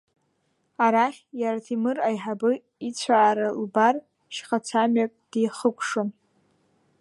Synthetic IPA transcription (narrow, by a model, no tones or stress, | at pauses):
aɾaχʲjaɾatʰimɨrajħabɨ | it͡sʷʰaːɾalbar | ʃχat͡sʰamɥakʼd̥ijχəkʷʰʂɨn